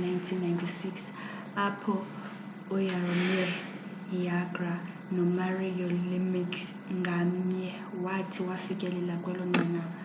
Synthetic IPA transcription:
najntʰinːajntʰisiks | apʰɔ | ɔjarɔmɛ | jaɡra | nɔmariɔlimiks | ŋɡʱam̩ɲɛ | watʰiwafikʼɛlɛlakʼwalɔŋ͡ǀʱɛna

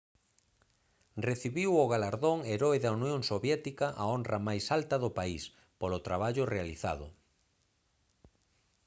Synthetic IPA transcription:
reθiβiwoɣalaɾðoŋeɾɔeðaunjoŋsoβjɛt̪ikɐʔaonrɐmajsalt̪ɐðʊpais | polʊt̪ɾaβaʎʊrealiθa̰ðʊ̰

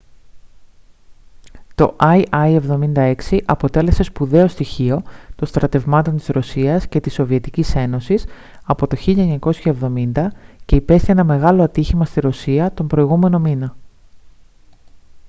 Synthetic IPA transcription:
t̪o̞̰ʔɐiɐie̞vðo̞mind̪ɐe̞ksiʔɐpo̞t̪e̞le̞se̞spuðe̞o̞st̪içio̞t̪o̞nst̪ɾɐt̪e̞vmɐt̪o̞nt̪izsɾo̞siɐsce̞t̪iso̞vie̞t̪icise̞no̞sis | ɐpo̞t̪o̞çiʎɐeɲɐko̞sçɐe̞vðo̞mind̪ɐce̞ipe̞sθienɐme̞ɣɐlo̞ɐt̪içimɐst̪iɾo̞siɐt̪o̞mbɾo̞iɣume̞no̞minɐ

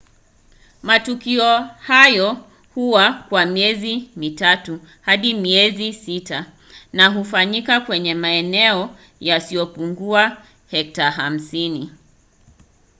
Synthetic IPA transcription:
matukiɔhajɔ | huwakwamiɛzimitatu | haɗimiɛzisita | naɦufaɲikakwɛɲɛmaɛnɛɔ | jasijɔpuŋɡua | hɛk̚taɦam̩sini

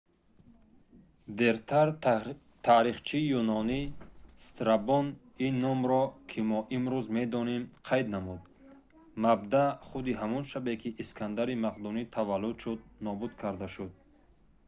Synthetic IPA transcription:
d̪eɾt̪ʰaɾ | t̪ʰaɾiχt͡ʃʰijunɔnist̪ɾabɔn | inːɔmɾɔkʰimɔʔimɾuzme̞d̪ɔnemqʰajd̪namud̪ | mab̚d̪aχud̪iɦamɔnʃabekʰiʔːskʰand̪aɾimaqd̪unit̪ʰavalːud̪ʃud̪̚nɔbud̪kʰaɾd̪aʃud̪̚

